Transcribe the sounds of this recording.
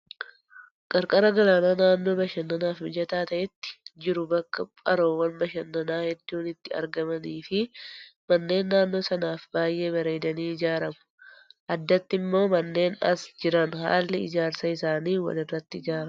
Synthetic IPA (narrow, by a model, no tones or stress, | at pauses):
kʼɐɾkʼɐɾɐɡɐlaːnaːnaːnːo̞ːbɐʃɐnːɐnaːfmɪd͡ʒɐt̪aːt̪ɐʔɛt̪ːɪ̥d͡ʒɪɾʊbɐkːɐpʼɐɾo̞ːwɐnbɐʃɐnːɐnaːhɛd̪ːuːnɪt̪ːɪɐ̰ɾɡɐmɐniːfɪmɐnːe̞ːnːaːnːo̞ːsɐnaːfbaːjʔe̞ːbɐɾe̞ːd̪ɐniːɪd͡ʒaːɾɐmʊ̥ | ʔɐd̪ːɐt̪ːɪmːo̞ːmɐnːe̞ːnɐ̰sd͡ʒɪɾɐnha̰ːlːɪɪd͡ʒaːɾsɐɪsaːniːwɐ̰lɪrːɐt̪ːɪɪd͡ʒaːɾɐm